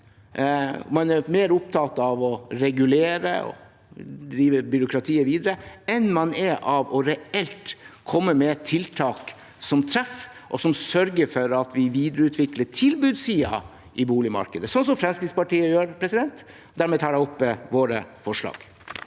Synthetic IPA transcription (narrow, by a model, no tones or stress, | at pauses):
mɑnæɾmeːɾʊp̚t̪ʰɑːt̪ɑʋɔɾɛɡʉleːɾə̰ɔ̰ | d̪ɾiːʋəbʏɾʊkʰɾɑt̪ʰiːəɾʋiːd̪ɾəɛnmɑnɛʔɑʋɔɾɛɛlt̪kʰɔmːəmɛt̪ʰɪlt̪ʰɑːk | sɔmt̪ʰɾɛf | ʔɔsɔmsœɾɡəɾfɔɾɑt̪ʋɪʋiːd̪ɾəʉːt̪ʰʋɪkləʈʰɪlbʉːd̪siːɑ̰ | ʔɪbuːlɪmɑ̰ɾkəd̪əsɔnsɔmfɾɛnskɾɪd̪spɑʈiːəjøːɾpʰɾɛsɪd̪ɛnt̪ | d̪æɾmɛːt̪ʰɑːɾɖæɪɔpːəʋoːɾəfɔʂɭɑ̰ːɡ